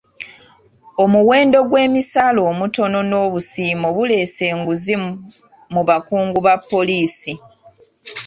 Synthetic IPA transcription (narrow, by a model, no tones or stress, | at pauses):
omuwe̞ːndo̞ɡwe̞ːmisalo̞ːmuto̞no̞no̞ːβusiːmo̞βule̞ːse̞ːŋɡuzi | muβakuːŋɡuβapːo̞liːsi